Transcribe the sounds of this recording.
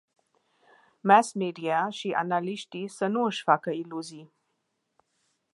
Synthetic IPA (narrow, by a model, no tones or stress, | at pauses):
mæsmeɖijaʃiʔa̰naliʃʈisənuʃfakailuzi